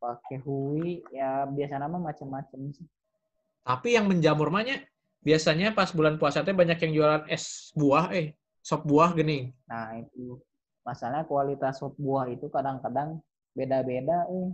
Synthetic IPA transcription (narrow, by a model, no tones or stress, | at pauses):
pakeɦuwijabiasanamamat͡ʃəmːat͡ʃəmsi | t̪apijaŋməɲd͡ʒamʊrmaɲa | biasaɲapasbulanpuasat̪̬ɛbaɲakjaŋd͡ʒualanɛsbuahɛh | sɔp̚buahɡənɪŋnahit̪̚u | masalɲakualit̪asɔp̚buahit̪ukadaŋkadaŋ | bedabedaɛh